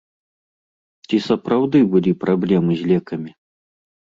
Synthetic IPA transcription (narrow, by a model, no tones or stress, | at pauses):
t͡sʲisɐpɾawd̪ɨbɨlʲipɾablʲɛmɨzʲlʲɛkɐmʲi